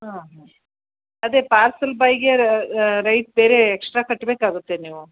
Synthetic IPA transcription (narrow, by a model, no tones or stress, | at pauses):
ɦaɦ | ɐd̪eːpaːɾsɐlbɐjɡeɾɐjʈ̚beːɾe̞ːksʈɾaːkɐʈːbeːkaːɡut̪ːeniːʋu